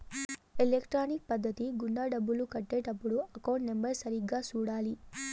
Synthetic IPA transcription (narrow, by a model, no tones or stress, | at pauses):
elekʈɾaːnik̚pɐd̪ʱːɐt̪iɡuɳɖaːɖɐbːulukɐʈːeːʈɐpːuɽuɐkɐwɳʈme̞mbɐɾsɐɾiɡːaːt͡ʃuːɽaːli